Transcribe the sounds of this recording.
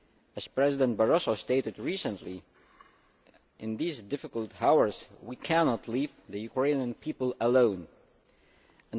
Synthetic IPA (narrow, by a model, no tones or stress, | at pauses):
ɨz̥pɹɛzɪdə̃n̚bəɹɔsosteɪɾɨdɹisə̃nli | ʔɪ̃nðizdɪfɨkəl̩ˠthawə˞zwikʰænɑtʰˡlivðɨjʉkʰɹẽɪ̃nə̃npʰipəlˠəlõʊ̃n | ɨ̃n